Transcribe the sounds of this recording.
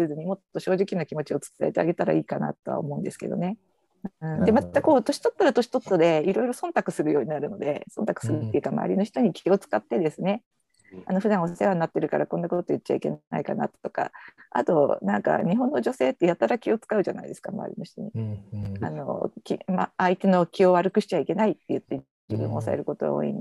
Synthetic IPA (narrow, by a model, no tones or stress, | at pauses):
ɯzɨɲ̟imo̞t̪ːo̞ɕo̞ːʑikʲinokʲimo̞t͡ɕio̞t͡sɨ̥t͡sa̰et̪e̞aɡe̞t̪aɾa̰iːkana̰t̪o̞βa̰o̰mo̞ɯ̟̃nd̪e̞sɨ̥ke̞̰d̪o̞̰ne̞ | ɯ̃d̪e̞mat̪ːako̞ːt̪o̞ɕi̥t̪o̞t̪ːoɾat̪o̞ɕi̥t̪o̞t̪ːod̪e̞iɾo̞iɾo̞sõ̞nt̪akɯ̟sɨɾɯjo̞ːɲ̟inaɾɯ̟no̞d̪e̞̰sõ̞nt̪akɯ̟̥sɨɾɯt̪ːeiɯ̟kama̰a̰ɾʲino̞çi̥t̪o̞ɲ̟ikʲʰo̞t͡sɨ̥kat̪ːe̞d̪e̞sɨne̞ | ano̞ɸɯ̟d̪ãɰ̃osseβanːat̪ːe̞ɾɯ̟kaɾakõ̞nːakot̪ojit̚ːt͡ɕːa̰ike̞na̰ikana̰t̪t̪o̞ka̰a̰t̪o̞nãŋka̰ɲ̟iɦõ̞nːo̞ʑo̞se̞ːt̪ːejat̪ːaɾakʲio̞t͡sɨ̥kaɯ̟ʑana̰ḭd̪e̞sɨ̥kama̰a̰ɾʲḭno̞çi̥t̪o̞̰ɲ̟i | a̰no̞̰kʲimaait̪e̞no̞kʲio̞βaɾɯ̟kɯ̟ɕi̥t͡ɕaike̞nait̪ːe̞jɯ̟t̪ːe̞ | d͡ʑibɯ̟̃ɰ̃oːsa̰eɾɯ̟ko̞t̪o̞ɡa̰o̰ːḭ̃n